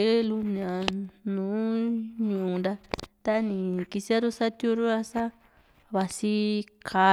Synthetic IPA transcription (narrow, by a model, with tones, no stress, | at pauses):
e˦lu˧n˧ã˨nũː˨˦ɲũ˧˨ũ˧nd̪a˧t̪a˦˧nĩ˨ki˧si˦a˦ɾu˦sa˦t̪jo˦ɾu˦a˧sa˦ | βa˧si˦kʰa˨˧